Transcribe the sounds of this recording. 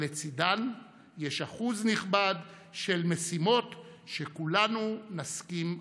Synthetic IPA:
et͡sid̪an | jeʃaχuzniχbad̪ | ʃe̞lme̞simo̞t̪ | ʃekulanunaskim

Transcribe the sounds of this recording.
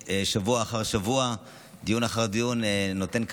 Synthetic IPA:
eʃavuaːχaʁʃavua | d̪ijunaχaʁd̪ijunːot̪e̞nk

